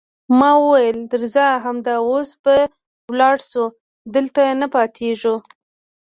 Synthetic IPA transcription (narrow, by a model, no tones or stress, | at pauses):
mɑwəwajəld̪əɾzaɦamd̪ɑosbə | wlɑɽsu | d̪əlt̪anəpɑt̪ʰeʐu